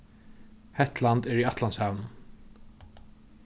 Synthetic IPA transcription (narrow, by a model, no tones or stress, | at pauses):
hɛt̪lant̪ɛɾiat̪lanshaːvnn